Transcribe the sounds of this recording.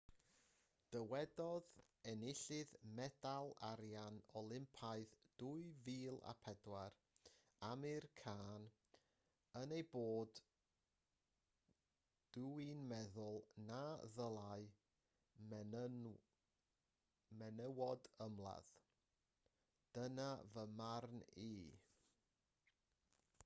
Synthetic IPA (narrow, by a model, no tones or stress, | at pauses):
d̥əwɛdɔð | ɛnɪɬɨðmɛdalˠaɾjanɔlˠɪmpʰaɨðd̥ʊɨviːlˠa̰pʰɛdwaɾ | amɪrkʰaːn | ənejboːd | d̥uinmɛðʊlˠnaðəlˠaɨ | mɛnəwɔdəmlˠa̰ð | d̥ənavəmarni